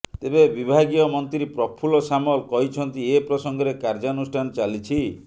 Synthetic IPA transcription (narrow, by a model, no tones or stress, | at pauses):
t̪ebebibʱaɡiɔmɔnt̪ɾiɾipɾɔpʰulɔsamɔlkɔɦit͡ʃʰɔnt̪iepɾɔsɔŋɡɔɾekaɾd͡ʒanusʈʰanɔt͡ʃalit͡ʃʰi